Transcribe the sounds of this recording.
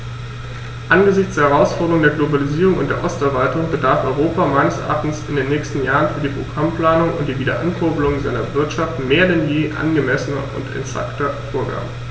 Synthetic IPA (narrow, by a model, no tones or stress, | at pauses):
ʔanɡəzɪçt͡ssd̥eːɐhɛɐʁaʊsfɔʁdəʁʊŋdeːɐɡlobaliziːʁ̞ʊŋʊ̰ntd̥eːɐʔɔstɛɐvaltʊŋbədaɐfʔɔʏʁoːpamaɪnəsʔa̰ːn̩sɪndeːnːɛːçstn̩jaːʁənfyːɐdiːpʁ̥oɡʁampl̥aːnʊŋʊnt̚d̥iːviːdɐ̰ʔankʰʊɐbəlʊŋzaɪnɐvɪɐtʃaftmeːɐdɛnjeːʔa̰nɡəmɛsənɐʔʊ̰ntɛ̰nz̥a̰ktɐfoːɐɡa̰ːbə